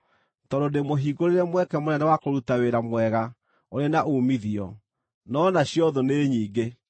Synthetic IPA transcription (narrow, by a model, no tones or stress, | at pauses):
tɔɾodemoɦiːɡoɾeɾɛmwɛkɛmonɛnɛwakoɾutaweɾamwɛɣa | oɾenaʔuːmiðiɔ̰ | nɔnaɕjɔðoneɲiːɡe